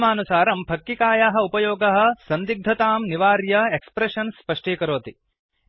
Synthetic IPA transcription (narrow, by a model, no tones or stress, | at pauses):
maːnusaːɾɐmpʰɐkːikaːjaːɦɐ̆upɐjoːɡɐɦɐ̆sɐnd̪iɡ̚d̪ʱɐt̪aːmniʋaːɾjɐekspɾeʂɐnspɐʂʈeːkɐɾoːt̪i